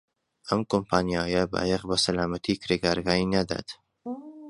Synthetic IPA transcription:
ʔɐmkompʰaːnijaːjɐba̰jɛqbɐsɐlaːmɐt̪ʰiːkɾeɡaːɾɡaːinɐd̪a̰ːt̪

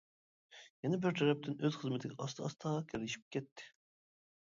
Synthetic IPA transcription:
jɛnɛbɪɾt̪ʰɛɾɛp̚t̪ʰɪnøz̥χəzmɪt̪ʰɪɡʲɛʔɑst̪ɑst̪ʰɑʁɑkʲʰɪɾɪʃi̥p̚kʲɛt̪ʰːɪ̥

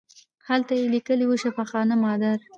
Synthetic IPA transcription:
halt̪ajelikəliwəʃafaxɑnamɑd̪aɾ

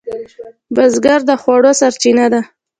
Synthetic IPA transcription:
bazɡaɾd̪əxwɑɽosaɾt͡ʃinad̪a

